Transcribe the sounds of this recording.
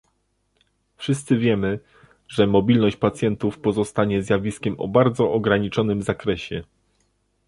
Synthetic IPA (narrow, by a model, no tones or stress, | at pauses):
fʂɘst̪sɘvʲjɛmɘ | ʐɛmɔbʲilnɔɕt͡ɕpat̪sʲjɛnt̪ufpɔzɔst̪aɲɛzʲjavʲiskʲɛmɔ̰baɾd̪zɔʔɔɡɾaɲit͡ʂɔnɘmzakɾɛɕɛ